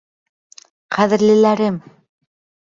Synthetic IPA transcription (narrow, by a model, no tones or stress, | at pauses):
qʰæðɘ̆ɾlɘ̆læɾɘm